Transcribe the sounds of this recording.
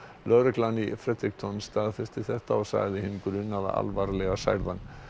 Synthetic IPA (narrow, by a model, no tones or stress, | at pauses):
lœːɾʏklanifɾɛt̪ɾikt̪ʰɔnst̪aːðfɪr̥st̪ɪθɛht̪aɔɣsa̰ɣðɪɦɪnkɾʏːnaða̰ʔa̰lvaɾlɛɣasa̰jɾðan